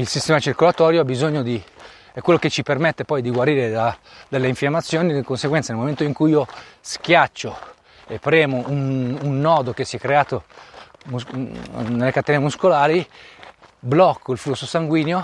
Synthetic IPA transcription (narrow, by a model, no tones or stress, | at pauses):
ilsist̪ɛːmat͡ʃirkolat̪ɔːɾjoabizoɲːod̪i | ɛkːwelːoket͡ʃipermet̪ːepɔjd̪iɡwaɾiːɾed̪ad̪elːeiɱfjamːat̪sːjoːnid̪ikonseɡwɛnt̪enelmoment̪oiŋkujiːosk̟jat͡ʃːo | epːɾɛːmoʔununːɔːd̪okesːiɛkːɾeaːt̪o | mu | nelːekat̪ːɛneemuskolaːɾi | blɔkːoilflusːosaŋɡwiːnjo